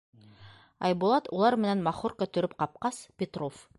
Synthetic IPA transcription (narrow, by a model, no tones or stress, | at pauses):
ɑ̰jbulˠɑt̪ulˠɑɾmɘ̆nænmɑχoɾkɵ̆t̪ɵ̆ɾɘp̚qɑp̚qɑspʲet̪ro̞f